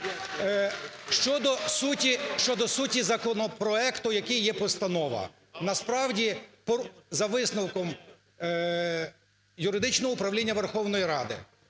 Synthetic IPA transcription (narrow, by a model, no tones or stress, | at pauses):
ʃt͡ʃɔd̪ɔsutʲiʃt͡ʃɔd̪ɔsutʲizɐkɔnɔpɾɔɛkt̪ʊjɐkɪjːɛpɔst̪ɐnɔʋɐ̰ | nɐspɾɑwdʲipɔzɐʋɪsnɐwkɔm | jʊɾɪd̪ɪt͡ʃnɔɦɔʊpɾɐwlʲinʲːɐʋerxɔwnɔjiɾɑd̪ɪ̰